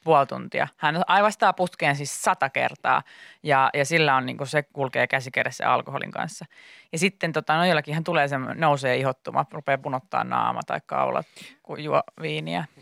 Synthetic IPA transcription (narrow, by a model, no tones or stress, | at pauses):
puolt̪ṵnt̪iɑ̰hænɑiʋɑst̪ɑːput̪keːnsissɑt̪ɑkḛrt̪ɑ̰ːjɑjɑsilːæonnḭːŋkusekulkeːkæsikeresːḛɑ̰lkoho̰lḭŋkɑ̰nsːɑjɑsit̪ːent̪ot̪ɑnojolːɑkiːhænt̪uleːsemnouseːihot̪ːumɑ̰rupeːpunot̪ːɑ̰ːnnɑ̰ːmɑ̰t̪ɑ̰ikkɑ̰ulɑ̰t̪kujuoʋiːniæ